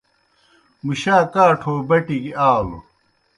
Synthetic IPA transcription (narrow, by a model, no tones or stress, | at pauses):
muɕaːkaːʈʰoːbɐʈiɡiaːlo̰